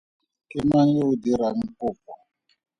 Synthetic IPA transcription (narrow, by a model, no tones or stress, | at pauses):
kimanjoudiɾaŋ̩kop̚ɔ